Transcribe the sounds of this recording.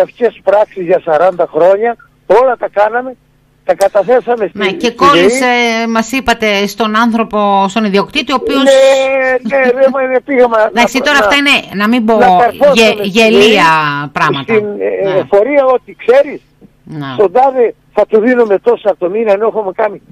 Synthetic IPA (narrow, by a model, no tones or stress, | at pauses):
ɐfçespɾɐksizʝɐsɐɾɐnd̪ɐxɾo̞ɲɐ | o̞lɐt̪ɐkɐnɐme̞ | t̪ɐkɐt̪ɐθe̞sɐmestnecekolismɐsipɐt̪e̞st̪o̞nɐnθɾo̞po̞st̪o̞niðio̞kt̪it̪io̞pioseneðemɐinepiɣɐmɐðɐkst̪it̪o̞ɾɐft̪ɐine̞nɐmimboɐɐɾfoʝeliɐpɾɐɣsmɐtt̪inofo̞ɾiɐo̞t̪ikse̞ɾis | netond̪ɐðe | θɐt̪uðinumet̪o̞sɐt̪ominɐnexomekɐni